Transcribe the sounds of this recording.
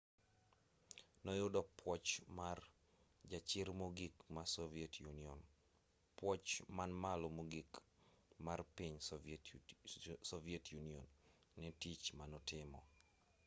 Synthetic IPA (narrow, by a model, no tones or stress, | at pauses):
nɔjʊdɔpwɔt͡ʃmar | d͡ʒat͡ʃɪrmoɡikmasɔvietʰjuniɔn | pwɔt͡ʃmanmalomoɡik | marpiɲ | sɔvietʰjuniɔ̰nː | ɛtit͡ʃmanɔtɪmɔ